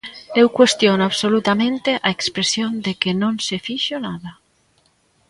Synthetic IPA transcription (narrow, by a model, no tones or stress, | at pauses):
ewkwest̪jonaβsolut̪amẽnt̪eʔaekspɾesjond̪ekenõnsefiʃonaða